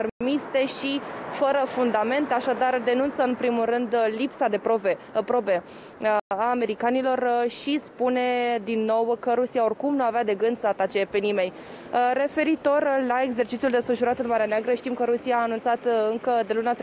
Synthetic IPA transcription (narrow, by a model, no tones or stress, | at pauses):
mist̪e̞ʃifəɾəfund̪ame̞nt̪aʃad̪ard̪e̞nunt̪səɨnpɾimulrɨnd̪lipsad̪e̞pɾo̞ve̞pɾo̞be̞ | aːme̞ɾikanilo̞rʃispune̞d̪inːo̞wkəɾusiao̞rkumnuavead̪e̞ɡɨnd̪səat̪at͡ʃe̞pe̞nime̞nʲ | re̞fe̞ɾit̪o̞rlae̞ɡs̬e̞rt͡ʃit̪siuld̪e̞sfəʃuɾat̪ɨnmaɾeaneaɡɾəʃt̪imkəɾusiaːnunt̪sat̪ɨŋkəd̪e̞lunat̪ɾ